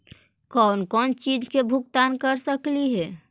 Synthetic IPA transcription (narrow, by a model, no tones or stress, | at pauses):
kɔnkɔnt͡ʃid͡ʒʱkebʱuk̚t̪ankəɾsəkliɦɛ